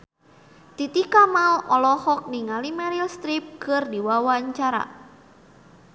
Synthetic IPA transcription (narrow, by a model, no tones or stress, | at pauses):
t̪it̪ikamalɔlɔhɔk̚niŋalimaɾilst̪ɾip̚kərdiwawaɲt͡ʃaɾa̰